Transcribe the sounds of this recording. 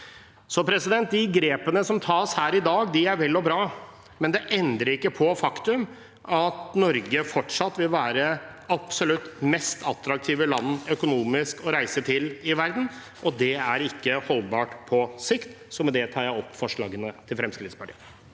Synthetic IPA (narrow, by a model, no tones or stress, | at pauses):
sɔpʰɾɛsɪd̪ɛnt̪̚d̪ɪɡɾeːpənəsɔmt̪ʰɑːshæːɾɪd̪ɑːɡd̪ɪæɾʋɛlːɔbɾɑː | mɛnd̪ɛʔɛnd̪ɾəɾɪkːəpʰɔfɑkt̪ʉm | ʔɑt̪nɔɾɡəfɔʈʂɑt̪ːʋɪlʋæːɾə | ɑpsɔlʉt̪ːmɛst̪ʰɑt̪ɾɑk̚t̪ʰiːʋəlɑnːœkʊnuːmɪskɔɾæɪsət̪ʰɪlɪʋæɾd̪n̩ | ʔɔd̪ɛæɾɪkːəhɔlbɑːʈpʰɔsɪkt̪ | sɔmɛd̪ɛt̪ʰɑːɾjæɪɔpːfɔʂɭɑːɡənət̪ʰɪlfɾɛmskɾɪt̪spʰɑʈʰiːə